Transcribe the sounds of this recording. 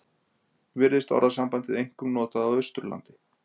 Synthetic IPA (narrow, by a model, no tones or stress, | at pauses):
vɪɾðɪst̪ɔ̰ɾðasampajnt̪ɪðejŋ̥kʏmnɔːt̪aðawʏst̪ɾla̰nt̪ɪ